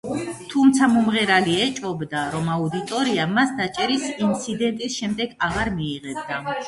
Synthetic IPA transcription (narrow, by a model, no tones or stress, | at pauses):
t̪ʰumt̪sʰamɔmʁɛɾaliɛt͡ʃʼɔbd̪aɾɔmaud̪it̪ʼɔɾiamasd̪at͡ʃʼɛɾisint̪sʰid̪ɛnt̪ʼisʃɛmd̪ɛɡaʁaɾmiːʁɛbd̪a